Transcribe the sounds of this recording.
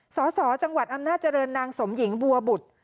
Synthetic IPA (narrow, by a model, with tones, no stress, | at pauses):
sɔː˩˦sɔː˩˦t͡ɕa˧ŋwa˨˩t̪̚ʔa˧mnaː˥˩t̪̚t͡ɕa˧ɾɤː˧nːaː˧ŋso˩˦mji˩˦ŋbu˧ɐbu˨˩t̪̚